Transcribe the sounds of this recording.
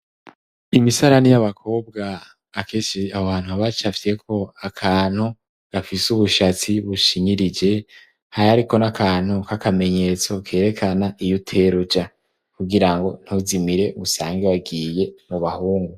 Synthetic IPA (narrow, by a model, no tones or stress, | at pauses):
imisaɾanijaβakʰo̞ːb̚ɡaː | keːʃiahoβaːn̥huaβat͡ʃafiɾekʰo̞akʰaːn̥hu | ɡ̥afisuβuʃat͡siβuʃiɲiɾid͡ʒe̞ | haɾaɾiko̞nakʰaːn̥hukʰakʰame̞ɲe̞t͡so̞kʰe̞ːɾe̞kʰanaijutʰeɾud͡ʒa | kuɡiɾaŋɡo̞n̥huzimiɾe̞usaːŋɡeβaɡiːje̞muβahuːŋɡu